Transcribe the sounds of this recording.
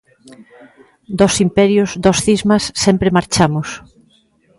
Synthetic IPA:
d̪ɔsimpɛɾjʊsd̪ɔsθizmasːɛmpɾemaɾt͡ʃamʊs

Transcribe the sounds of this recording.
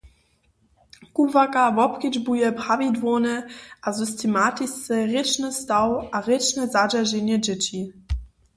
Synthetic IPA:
kuvakavɔpkid͡ʒbujəpʁavidvonəʔazystʰematist͡səʁɪt͡ʃnəstawʔaʁɪt͡ʃnəzad͡ʒaʒenjəd͡ʒɪti

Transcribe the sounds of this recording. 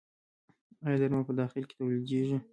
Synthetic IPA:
ɑjd̪aɾmapəd̪ɑxɪlke̥t̪awld̪eʒi

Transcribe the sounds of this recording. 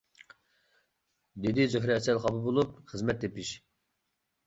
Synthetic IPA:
d̪ed̪ɪd͡ʒøɦɾɛɛsɛlχɑbɨbolˠup̚χəzmɛt̪̚d̪epiʃ

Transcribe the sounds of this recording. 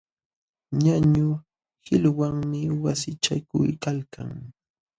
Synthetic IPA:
ɲaɲʊ | hɪlwaŋmɪwasɪt͡ʃa̰kʊ̰jkalka̰ŋ

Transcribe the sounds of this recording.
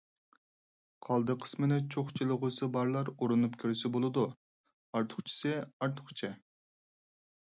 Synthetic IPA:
qʰɑlˠd̪ɨqʰə̥smɨnɪt͡ʃʰoχt͡ʃʰilˠɨʁʊsɨbɑɾlˠɑɾoɾunupkʲʰøɾysɪbolˠɨd̪u | ɑɾt̪ʰʊ̥χt͡ʃʰi̥sɪɑɾt̪ʰʊχt͡ʃʰɪ

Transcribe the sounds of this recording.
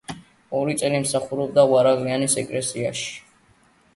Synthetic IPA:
ɔɾit̪sʼɛlimsaχuɾɔb̚d̪awaɾaɣlianisɛkʼlɛsiaʃi̥

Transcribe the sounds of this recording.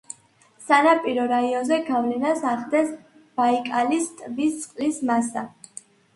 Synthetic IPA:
sanapʼiɾɔɾaiɔnzɛɡavlɛnasaχd̪ɛs | b̥aikʼalist̪ʼvist̪sʼqʼlismasa

